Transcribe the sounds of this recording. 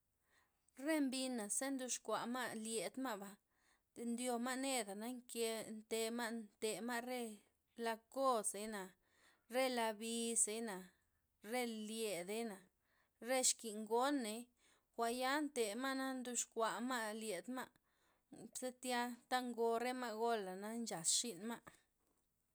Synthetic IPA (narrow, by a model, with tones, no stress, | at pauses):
ɾe˦mbi˧nːa˨se˦nd̪u˧ʃkʷa˨ʔma˦ʔlje˨d̪ma˦bḁ˨ | e˨nd̪jo˧ma˦ne˦d̪a˨na˦ŋke˧nt̪e˧ma˦nt̪e˨ma˦ɾe˦ | la˧ko˦se˨jna˨ | ɾe˦la˧bi˧se˧jna˨ | ɾe˦lje˨d̪e˦jna˨ | ɾe˦ʃki˨ŋɡo˦ne˨j | xʷa˨ja˦nt̪e˨ma˦na˦nd̪u˧ʃkʷa˨ma˦ʔlje˨d̪ma˦ | bse˦t̪ja˦t̪a˦ŋɡo˧ɾe˦ma˦ɡo˦la˨na˦nt͡ʃa˨sʃi˦nma˦ʔ